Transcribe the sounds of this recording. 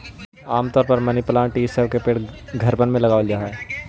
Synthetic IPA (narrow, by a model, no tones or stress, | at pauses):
aːmt̪ɔːɾpəɾmɐniplãːʈiːssəbkepeːʈɡʱɐɾbənmẽlɐɡaːʋəld͡ʒaːɦɛ